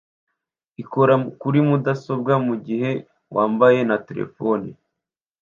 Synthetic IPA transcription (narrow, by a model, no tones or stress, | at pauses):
iko̞ɾakuɾimudaso̞b̚ɡamuɟihe̞ | wʔaːmbaje̞nate̞ɾḛfo̞ni